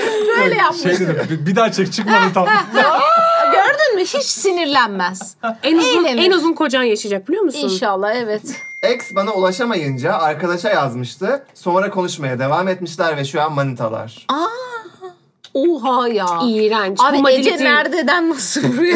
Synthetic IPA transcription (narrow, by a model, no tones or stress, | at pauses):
ʃøjlʲɛjapʃeɯjd̪eibid̪at͡ʃʰɯkt͡ʃʰɯkmait̪ʰa | ɟøɾd̪ynmɪhit͡ʃsiniɾlʲænmæz | ænuzunænuzunkʰo̞d͡ʒanjaʃad͡ʒak̚bilʲijomusiunnʃalˠːahɛvɛt̪ɛksbanaulˠaʃamajɯnd͡ʒaːɾkad̪aʃajazmɯʃt̪ʰɯso̞mɾakʰo̞nuʃmajad̪e̞vaːmet̪miʃlʲæɾvɛʃujanmanit̪ʰa̰lˠa̰ɾ̥a | uɦajaiːɾant͡ʃamailenæɾd̪ed̪ænːasɯ